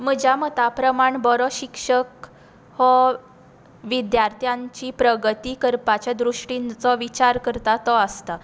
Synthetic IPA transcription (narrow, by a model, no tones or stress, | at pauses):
məd͡ʑamət̪apɾəmaɳbɔɾɔɕikʂək̚ | hɔ | ʋid̪jaɾt̪ʰjãɲt͡ɕipɾəɡət̪ikəɾpat͡ɕad̪ɾuʂʈint͡sɔʋit͡ɕaɾkəɾt̪at̪ɔəst̪a